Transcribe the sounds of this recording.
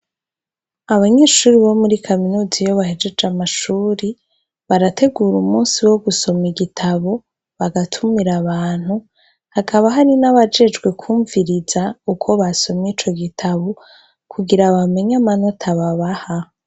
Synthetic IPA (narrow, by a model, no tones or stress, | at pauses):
aβaɲe̞ːʃuːɾiβo̞muɾikʰaminuːzijo̞βahe̞d͡ʒe̞d͡ʒamaʃuːɾi | βaɾatʰe̞ɡuːɾumuːnsiwo̞ɡuso̞miɡitʰaβo̞ | βaɡatʰumiɾaβaːn̥hu | hakʰaβaɦaɾinaβad͡ʒe̞d͡ʒɡwe̞kʰuːɱviɾizaukʰo̞βaso̞miːt͡ʃo̞ɡitʰaβo | kʰuɡiɾaβame̞ɲamano̞tʰaβaβaha